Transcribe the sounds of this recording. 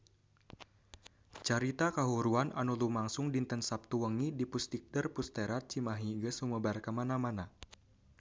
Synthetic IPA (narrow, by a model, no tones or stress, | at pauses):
t͡ʃaɾit̪akaɦuɾuanʔa̰nulumaŋsʊŋdint̪ənsap̚t̪uwəŋidipust̪ik̚dərpust̪eɾat̪̚t͡ʃimaɦiɡəsuməbarkəmanamana